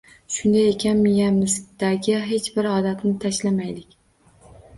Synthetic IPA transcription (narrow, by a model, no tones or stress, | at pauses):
ʃʊnd̪ajekʲʰanmɪjamɪsd̪̥aɡʲɪɦe̞t͡ʃbɪɾɒd̪at̪nɪt̪ʰaʃlamajlɪkʲ